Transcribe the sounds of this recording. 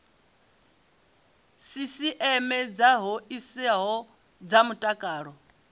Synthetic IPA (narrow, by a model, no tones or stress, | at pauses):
sisiʔɛmɛd͡zaɦɔisɛɦɔ | d͡zamutʼakʼaːɺɔ